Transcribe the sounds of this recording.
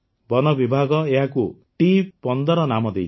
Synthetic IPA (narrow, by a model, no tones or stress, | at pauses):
bɔnʌbibʱaɡɔeɦakuʈipɔnd̪ɔɾɔnamɔd̪ej